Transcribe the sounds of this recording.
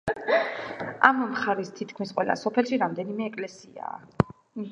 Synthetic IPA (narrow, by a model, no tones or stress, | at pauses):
ammχaɾist̪ʰit̪ʰkʰmisqʼwɛla̰sɔpʰɛlˠʃiɾamd̪ɛnimɛːkʼlɛsia̰ː